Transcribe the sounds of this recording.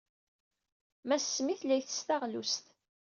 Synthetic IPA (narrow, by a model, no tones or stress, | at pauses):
mæsːmiθlæjθə̥st̪aʁlust̪